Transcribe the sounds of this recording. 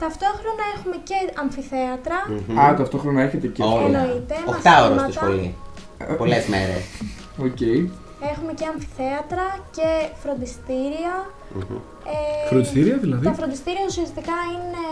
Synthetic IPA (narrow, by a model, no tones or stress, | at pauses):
t̪ɐft̪o̞xɾo̞nɐexume̞ce̞ɐɱfiθe̞ɐt̪ɾɐɐt̪ɐft̪o̞xɾonɐeçe̞t̪e̞cenoit̪emomɐkst̪ɐoɾomsɐt̪isɐo̰lḭ | polezmḛɾḛs | oce̞j | exume̞ceɐɱfi̥θe̞ɐt̪ɾɐce̞fɾo̞nd̪ist̪iɾiɐ | efɾond̪ist̪iɾiɐðilɐðiɐfɾo̞nd̪ist̪iɾiɐusiɐst̪ikɐine̞